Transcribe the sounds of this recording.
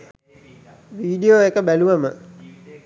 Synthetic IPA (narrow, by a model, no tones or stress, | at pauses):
ʋiːɖijoekəbæluʋəmə